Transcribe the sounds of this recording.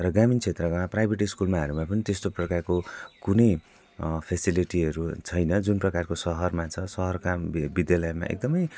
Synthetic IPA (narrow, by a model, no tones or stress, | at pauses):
rʌɡamint͡sʰet̪rʌkaprajbʱeʈiskulmaɦʌɾumapʌnit̪est̪oprʌkarkokunʌj | pʰesiliʈiʌɾut͡sʰʌjnʌd͡zunprʌkarkosʌɦʌrmat͡sʰʌsʌɦʌrkambid̪jalʌema̰ʔḛk̚d̪ʌmʌj